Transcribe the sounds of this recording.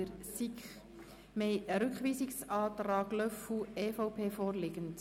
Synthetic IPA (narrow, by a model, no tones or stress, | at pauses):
əɾsikχ | meɾʏkχʋiːsiksɑːtɾɑːɡlœfueːfɔʊpʰeːfɔːrlɪɡənt